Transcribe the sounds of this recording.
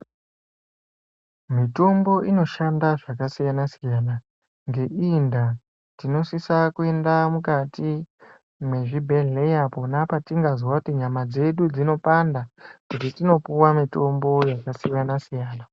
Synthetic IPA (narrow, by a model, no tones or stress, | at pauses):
mito̞mbo̞ʔino̞ʃandaʐakasijanasijana | ŋɡe̞ʔinda | tino̞sisakue̞ndamukatʰi | mwe̞ʐibʱe̞ɮe̞japo̞napatiŋɡaziwakutiɲamad͡ze̞ɗud͡zino̞pandakutitino̞puwamito̞mbo̞jakasijanasijaːna